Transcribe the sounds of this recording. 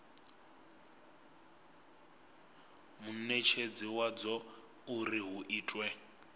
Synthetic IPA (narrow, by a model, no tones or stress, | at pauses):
munɛt͡ʃʰed͡ziwad͡zɔ | uriɦuʔiːtʼwɛ